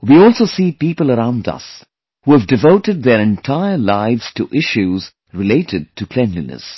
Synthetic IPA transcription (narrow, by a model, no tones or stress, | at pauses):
wiɔlˠsoʊsiːpiːpəlˠəɾãʊ̃ndʌ̰s | huːəvdɨvoʊtɨd̪̚ðəɾɨ̃ntʰaɪəlaɪvz̥tʰɨʔɪʃuz | ɹɨleɪɾɨd̚tʰɨpʰl̥ɛ̃nlḭnə̰s